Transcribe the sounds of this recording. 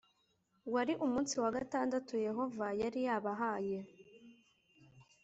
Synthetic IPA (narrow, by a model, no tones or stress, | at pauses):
waɾiʔumuːnsiwaɡataːndatuje̞ɦo̞vajaɾijaβaɦaje